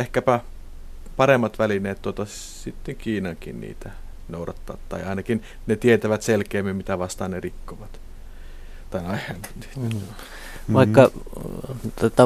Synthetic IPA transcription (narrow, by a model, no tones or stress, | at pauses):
ehkæpæ | pɑremːɑt̪ʋælineːt̪t̪ot̪ɑ | sit̪ːeŋkiːnɑŋkḭnnḭːt̪æ | noˑuɾɑ̰t̪ːɑ̰ʋt̪t̪ɑ̰ˑiɑˑinɑkin | net̪iet̪æʋæt̪selkeːmːimmit̪æʋɑst̪ɑːnnerikːoʋɑt̪ | t̪ɑˑinɑihænni̥ː | ʋɑˑikːɑ | t̪ot̪ːɑ